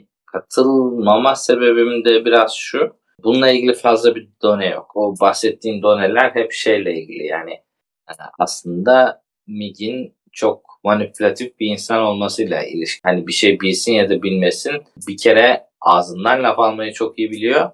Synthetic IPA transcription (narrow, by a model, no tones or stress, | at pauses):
kʰat̪ʰɯlˠmamase̞be̞bimind̪ɛbiɾaz̥ʃu | bunulˠailʲɟilʲifazlˠabid̪o̞nɛjo̰kobaxsɛt̪ʰːiːnd̪o̞nelʲæɾɦɛpʃejlʲɛilʲɟḭlʲḭja̰ːnɪ | a̰slˠɯnd̪a | miɟin | t͡ʃʰo̞k̚ | manipʰylʲat̪ʰifbiːnsano̞lˠmasɯjlˠa̰ḭlʲiʃhanibiʃejbilʲsinjad̪abilʲme̞sinbicʰe̞ɾɛ | aːzɯnd̪anlʲapalˠmajɯt͡ʃʰo̞kijibilʲijo̞